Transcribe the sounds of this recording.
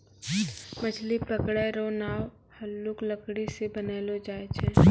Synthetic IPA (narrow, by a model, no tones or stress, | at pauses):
məd͡ʒlipɾəkɽɛɾoːnaːw | həlːʊkləkɽisebəneːlod͡ʒaːet͡ʃʰɛ̃ː